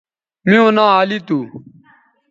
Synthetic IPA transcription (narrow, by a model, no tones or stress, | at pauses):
mĩõnãːaːlit̪uː